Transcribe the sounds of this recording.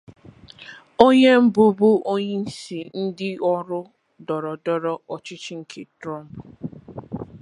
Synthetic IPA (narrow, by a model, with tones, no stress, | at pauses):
o˦ɲe˦m̩˦bʊ˦bʊ˦ʔo˦ɲe˦n̩˦si˨n̩˦dɪ˦ɔ˦ɾʊ˦ | dɔ˨ɾɔ˨dɔ˦ɾɔ˦ɔ˨t͡ʃɪ˦t͡ʃɪ˦ŋ̩˨kʰe˨tɾɔ˦m˨p